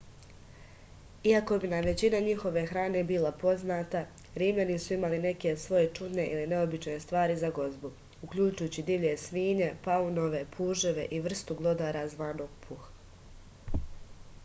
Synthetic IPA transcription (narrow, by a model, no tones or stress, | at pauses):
iako̞binaʋe̞t͡ɕinaɲixo̞ʋe̞xɾaːne̞bilapo̞znaːt̪a | ɾiːmʎanisuimaline̞ke̞sʋo̞je̞t͡ʃud̪ne̞ʔiline̞o̞bit͡ʃne̞st̪ʋaːɾizaɡo̞zbu | ukʎut͡ʃujuːt͡ɕid̪iʋʎe̞sʋiːɲe̞pauno̞ʋe̞pʰuːʒeʋe̞̰ʔiʋr̩st̪uɡlˠo̞d̪aːɾazʋaːno̞ːɡ̥̚pʰux